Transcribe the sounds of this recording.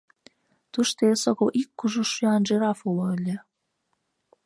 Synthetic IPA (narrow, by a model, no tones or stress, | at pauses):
t̪uʃt̪esoɣoʔikːuʒuʃyɑnʒeɾɑfuloəlʲĕ